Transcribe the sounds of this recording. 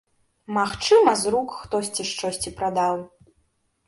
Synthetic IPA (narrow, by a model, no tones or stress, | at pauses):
maxt͡ʂɨmɐzrukxt̪ɔsʲt͡sʲiʂt͡ʂɔsʲt͡sʲipɾad̪aw